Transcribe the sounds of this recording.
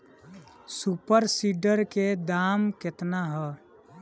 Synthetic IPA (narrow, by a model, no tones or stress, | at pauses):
supəɾsiɖəɾked̪amkɪt̪naɦɛ